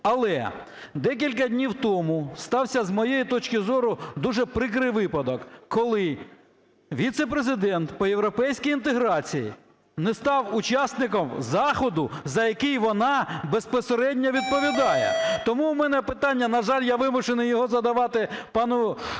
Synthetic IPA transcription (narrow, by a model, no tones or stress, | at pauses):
ɐlˠɛ | d̪ɛk̬ʲilʲkɐdʲnʲiwt̪ɔmʊst̪ɑwsʲɐzmɔjejit̪ɔt͡ʃkɪzɔɾʊd̪uʒɛpɾɪk̬ɾɪjʋɪpɐd̪ɔkːɔlˠɪ | ʋʲit̪sepɾezɪd̪ɛnt̪pɔjewɾɔpɛjsʲkʲijint̪eɦɾɑt͡sʲijḭ | nɛst̪ɑwʊt͡ʃɑsnɪkɔmzɑxɔd̪ʊzɐjɐkɪjʋɔnɑbespɔseɾɛdʲnʲɐʋʲid̪̚pɔʋʲid̪ɑjɛ̰t̪ɔmuːmɛnɛpɪt̪ɑnʲːɐnɐʒɑlʲjaʋɪmʊt͡ʃenɪjɔɦɔzɐd̪ɐʋɑt̪ɪpɑnʊ